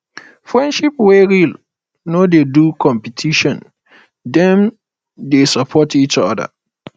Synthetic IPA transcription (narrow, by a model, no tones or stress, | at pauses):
fɹɛ̃ndʃip̚wɛɹil | nodedukʰɔ̃mpitʰiʃɔ̃n | dɛ̃m | desapʰɔtʰit͡ʃɔ̰da̰